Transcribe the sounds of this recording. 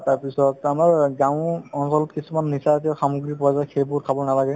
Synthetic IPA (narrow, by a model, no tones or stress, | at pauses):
taɹpisɔtamaɹɡãʊ̃ɔnsɔlɔtkisumanːisat̬ɛɔxamuɡɹipɔazajxʰejbʊkʰabɔnalaɡɛ